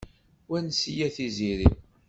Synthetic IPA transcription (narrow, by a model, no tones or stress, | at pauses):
wænsijæθiziɾi